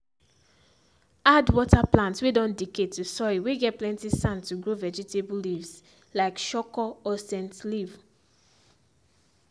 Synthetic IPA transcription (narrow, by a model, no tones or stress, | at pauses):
adwɔtaplãntswedɔ̃ndiketʰːusɔiweɡɛtplɛ̃ntisãntuɡɹovɛd͡ʒɛtʰebulivs | laɪkʃɔkɔɔsɛ̃ntliv